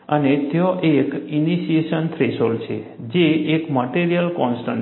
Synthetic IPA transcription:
ənet̪eoʔekiniʃieʃənt̪ʰɾesolt͡ʃʰḛ | d͡ʒeːkməʈiɾijəlkɔnsʈən

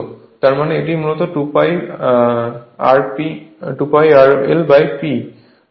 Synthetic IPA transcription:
t̪aɾmaneeʈ̬imulot̪oʈupaj | aɾpiʈupajaɾelbajpi

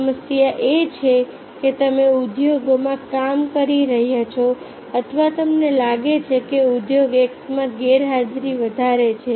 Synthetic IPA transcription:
məsjaʔet͡ʃʰe | ket̪əmeud̪joɡomãkamkəɾiɾəɦjat͡ʃʰo | ət̪ʰʋat̪əmnelaɡet͡ʃʰekeud̪joɡeksmãɡeɾɦad͡ʒɾiʋəd̪ʱaɾet͡ʃʰe

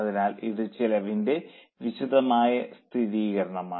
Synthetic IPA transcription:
ɐðinaːliðɨt͡ɕilɐʋinde̞ | ʋiɕuðɐmaːjɐst̪ʰiðiːɣɐɾɐɳɐmaː

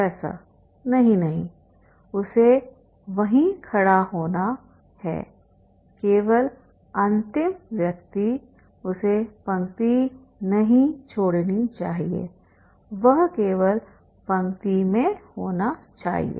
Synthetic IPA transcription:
ɛːsa̰ | nɐɦĩnɐɦĩ | ʊse | ʋɐɦĩkʰɐɽaɦoːna | hɛ̰ː | keːʋəl | ɐ̃nt̪ɪmʋjɐk̚t̪i | ʊsepɐ̃ŋt̪i | nɐɦĩt͡ʃʰoːɽnit͡ʃaːɦiḛː | ʋɐɦkeːʋəl | pɐ̃ŋt̪imẽhoːnat͡ʃa̰ːɦḭḛː

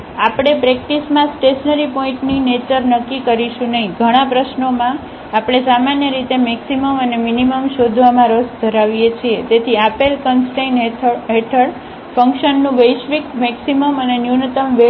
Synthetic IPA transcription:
apɽ̃epɾɛk̚ʈismãsʈeʃnəɾipɔĩɳʈninet͡ʃəɾnəkːikəɾiʃũnəɦĩɡʱəɽ̃apɾəʃnomã | apɽ̃esamanjəɾit̪emɛksiməməneminiməmʃod̪ʱʋamãɾosd̪ʱəɾaʋijet͡ʃʰiet̪et̪ʰiapelkənsʈenʰɦeʈʰəɭ | fə̃ŋkʃənːũʋəjʃʋikmɛksiməmənenjunət̪əmʋe

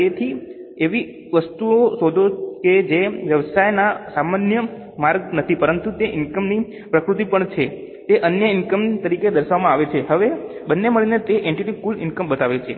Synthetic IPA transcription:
t̪et̪ʰieʋi | ʋəst̪uoʃod̪ʱoked͡ʒeʋjəʋəsajnasamanjə | maɾɡnət̪ʰipəɾənt̪ut̪eʔɪnkəmni | pɾəkɾut̪ipəɳt͡ʃʰe | t̪eʔənjəɪnkəmt̪əɾiked̪əɾʃaʋmãaʋet͡ʃʰeɦəʋebənːeməɭinet̪eʔeɳʈiʈiskulɪnkəmbət̪aʋet͡ʃʰe

